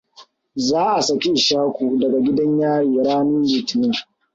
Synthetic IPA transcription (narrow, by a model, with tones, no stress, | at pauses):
zaː˦ʔa˨sɐ˨kʲi˦ʔɪ˨ʃaː˦kʷu˨dɐ˨ɡa˨ɡʲɪ˦dɐ˦ɲjaː˦jiː˨ɽaː˦nu˦liː˨tɪ˨ni˦˨ŋ